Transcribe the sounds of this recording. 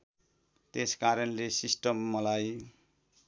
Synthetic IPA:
t̪eskaɾʌnlesisʈʌmːʌlaj

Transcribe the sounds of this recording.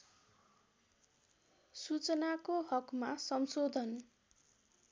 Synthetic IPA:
sut͡sʌnakoɦʌkmasʌmsod̪ʱʌn

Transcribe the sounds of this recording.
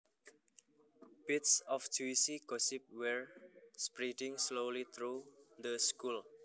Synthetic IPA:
b̥itsɔft͡ʃuisiɡ̥ɔsip̚wɛɹspɹidɪ̃ŋslolit̪ʰɾud̪əskul

